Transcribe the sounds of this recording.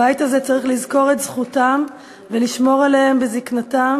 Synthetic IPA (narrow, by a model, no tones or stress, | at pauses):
ajitazet͡saʁiχlizko̞ʁe̞t̪z̥χutam | veliʃmo̞ʁalehembeziknatam